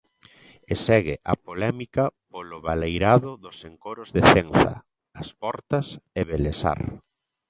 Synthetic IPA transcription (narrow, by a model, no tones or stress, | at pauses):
esɛɣɪʔa̰polɛmikɐpolʊβalejɾaðʊðʊseŋkoɾʊzðeθeŋθɐ̰ | ɐspɔɾt̪ɐseβelesa̰ɾ